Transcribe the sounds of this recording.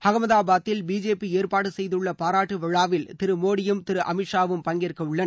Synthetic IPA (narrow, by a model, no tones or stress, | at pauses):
hɐɣɐmɐðaːbaːt̪ːɪlbiːd͡ʒeːpieːrpaːɽɯsɛjðɯɭːɐpaːɾaːʈːɯʋɐɻaːʋɪlt̪ɪɾɯmoːɽɪjɯmt̪ɪɾɯʔɐ̰mɪʈʂaːʋɯmpɐŋɡɪrkːɐɯɭːɐn